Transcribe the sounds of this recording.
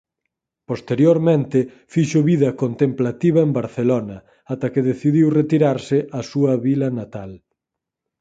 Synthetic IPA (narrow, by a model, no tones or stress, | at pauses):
post̪eɾjoɾmẽnt̪ɪ | fiʃoβiðɐkont̪emplat̪iβɐembaɾθelonɐ | at̪ɐkeðeθiðiwret̪iɾaɾsɪʔasuɐβilɐnat̪al